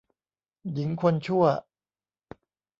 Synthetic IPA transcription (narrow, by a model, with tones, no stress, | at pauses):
ji˩˦ŋkʰo˧nt͡ɕʰu˥˩ɐ